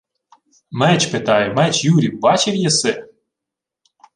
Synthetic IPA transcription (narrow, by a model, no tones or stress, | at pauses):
mɛt͡ʃpet̪ɑjʊmɛt͡ʃjuɾʲiwbɑt͡ʃɪwjɛsɛ